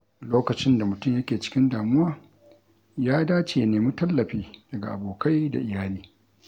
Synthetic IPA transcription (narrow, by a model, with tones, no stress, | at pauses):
loː˦kɐ˨t͡ʃɪ˦nda˨mʊ˨tʊ˦mjɐ˦kʲeː˨t͡ʃɪ̥˦kʲɪ˦ndaː˨mʊ˦waː˦˨ | jaː˦daː˦t͡ʃeː˨ja˦neː˨mi˦tɐ˦lːɐ˨ɸiː˦d̥ɐ˨ɡa̰˨ʔa˨boː˨ka˦jda̰˨ʔɪ˨jaː˦liː˦